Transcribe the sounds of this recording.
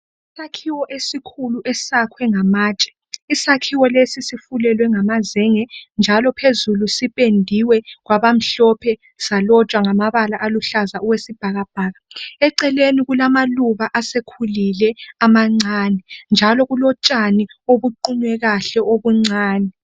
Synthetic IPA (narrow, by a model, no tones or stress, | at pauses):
isakʰiwɔʔesikʰuluʔɛsakʰwɛŋamaːt͡ʃʼɛ̥ | isakʰiwɔlesisifulɛlwɛŋamazɛŋɛnd͡ʒʱalɔpʰezulusipʼendʱiwɛɣwaβam̩ɬɔpʰɛ | salɔt͡ʃʼwaŋamaβalaʔaluɬazauwesib̥ʱaɣab̥ʱaːɣaɛǀɛleniɣulamaluβaʔasekʰulilɛamaŋ͡ǀaːnɛnd͡ʒʱalɔɣulɔt͡ʃʼanioβuǃiɲwɛɣaɬɛoβuŋ͡ǀʱaːnɛ